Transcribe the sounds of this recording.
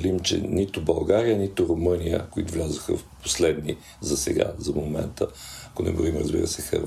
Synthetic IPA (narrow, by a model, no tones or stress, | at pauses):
limt͡ʃɛ̰nit̪ʊbɐlˠɡaɾijənit̪ʊɾʊmɤnijə̰kʊit̪ʊvlʲazʊxə̰fposlɛd̪ni | zɐsɛ̰ɡa̰zɐmomɛ̰nt̪əɐkʊnɛ̰ɡoɾimɾəzbḭɾə̰sɛxə̰ɾ